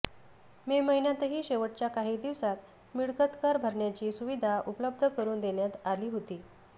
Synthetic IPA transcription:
meməɦinjat̪əɦiːɕeʋəʈ̚t͡ɕjakaɦiːd̪iʋsat̪ | miɭkət̪kaɾbʱəɾɳjat͡ɕiːsuʋid̪ʱaʔupələb̚d̪ʱəkəɾuːnd̪eɳjat̪aliːɦot̪iː

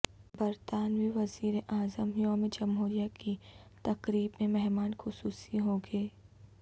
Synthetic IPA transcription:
bɐɾt̪aːnʋiʋɐziːɾeʔaːzəmjoːmed͡ʒɐmɦuːɾijakit̪ɐkɾiːbmẽmɛɦmaːnxʊsuːsiɦoːɡeː

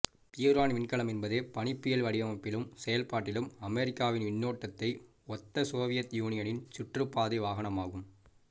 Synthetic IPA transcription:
pɪjɐɾaːnʋɪɳkɐɭɐmɛnbɐðeːpɐɳɪpːɪjɐlʋɐɽɪʋɐmɐpːɪlɯmsɛjɐlpaːʈːɪlɯmɐmɛɾɪkːaːʋɪnʋɪnːoːʈːɐt̪ːɐɪ | ɔt̪ːɐsoːʋɪjɐt̪juːnɪjɐnɪnt͡ʃʊʈrɯpːaːðɪʋaːɣɐnɐmaːɣɯm

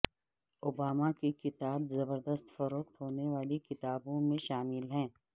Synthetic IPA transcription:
oːbaːmakekɪt̪aːbzɐbəɾd̪əst̪fɐɾoːqt̪ɦoːneʋaːlikɪt̪aːbõmẽʃaːmɪlɦɛ̃ː

